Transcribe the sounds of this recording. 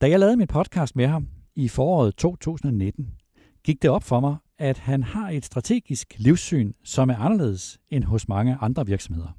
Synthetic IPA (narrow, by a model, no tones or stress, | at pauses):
d̥æjɑ̈ɪɛːð̩ˠminpʰɒ̽d̥kʰɑ̈ːsd̥meɦɑ̈mifɒːɒ̰ːð̞̩ˠt͡sʰo̝̰ːt͡sʰṵːsn̩ɒ̽ne̝d̥n̩ | ɡ̥iɡ̥̚d̥e̝ɒ̽b̥fɒ̽mɑ̈ɪ | æd̥hænhɑ̈e̝d̥sd̥ʁɑ̈t͡sʰe̝̰ːɡ̥isɡ̥liʊsy̰ːnsɒ̽mæɐɑ̈nɐle̝̰ːð̩ˠsenɦɔ̽smɑ̈ŋəʔɑ̈nd̥ʁɐʋiɐɡ̥sɒ̽me̝ð̞̰ˠɐ